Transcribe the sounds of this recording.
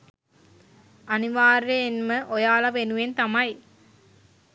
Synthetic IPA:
aniʋaːɾeːnməʔojaːlaʋenuʋent̪amaj

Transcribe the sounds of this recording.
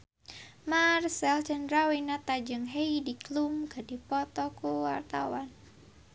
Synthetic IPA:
marsɛlt͡ʃandɾawinat̪ad͡ʒɨŋɦeidiklumɡadipɔt̪ɔkuwa̰rt̪awan

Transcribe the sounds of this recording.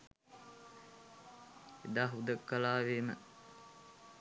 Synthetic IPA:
ed̪aːɦud̪əkːəlaːʋemə̰

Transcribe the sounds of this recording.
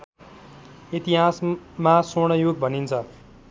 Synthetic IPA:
it̪iɦasmasoɽ̃ʌjoɡ̚bʱʌnint͡sʰʌ

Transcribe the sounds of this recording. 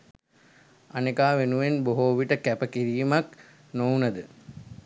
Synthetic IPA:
anekaːʋenuʋenboɦoːʋiʈəkæpəkiɾiːmak | nownəd̪ə

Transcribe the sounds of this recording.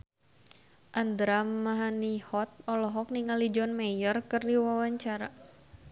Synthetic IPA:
ʔand̪ɾammːaɦanihɔt̪̚ɔlɔɦɔk̚niŋalid͡ʒɔnmajərkɨrdiwawaɲt͡ʃaɾa

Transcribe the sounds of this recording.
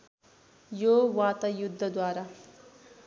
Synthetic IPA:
jowat̪ʌjud̪ʱːʌd̪waɾa

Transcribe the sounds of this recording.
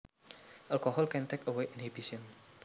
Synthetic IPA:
ʔalkɔhɔlkɛnt̪ɛkəweʔinhib̥isiən

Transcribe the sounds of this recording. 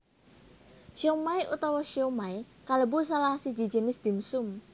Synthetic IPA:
ʃomajʔṵt̪ɔwɔʃiomajikaləbus̬alahsi̥d͡ʒi̥d͡ʒə̤nɪsd̪̥i̤msʊm

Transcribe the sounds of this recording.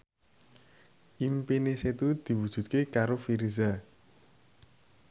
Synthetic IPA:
ʔimpineset̪ud̪̥i̤wud̥ʒ̥ṳt̪̚kekaɾofiɾiza

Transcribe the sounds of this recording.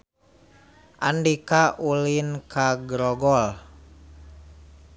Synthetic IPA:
ʔandikaʔulinkʰaɡɾɔɡɔl

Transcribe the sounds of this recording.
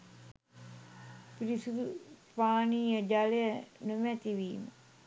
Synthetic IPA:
piɾisud̪upaːniːəd͡ʒalejənəmæt̪iʋiːmə

